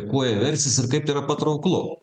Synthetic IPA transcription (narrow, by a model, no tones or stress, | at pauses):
kuɔjɛʋʲɛɾʲsʲɪsɪɾkɐɪpiːɾɐpɐt̪ɾɐʊklˠʊ